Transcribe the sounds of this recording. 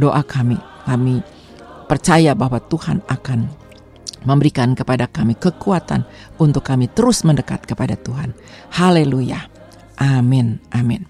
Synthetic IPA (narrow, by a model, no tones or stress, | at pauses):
doʔakʰami | kami | pərt͡ʃajabahwat̪uha̰nakan | məmbəɾikankəpadakamikəkuat̪a̰n | unt̪ʊkːamit̪əɾʊsməndəka̰t̪̚kəpadat̪uɦan | haleluja̰ | ʔamɪnʔamɪn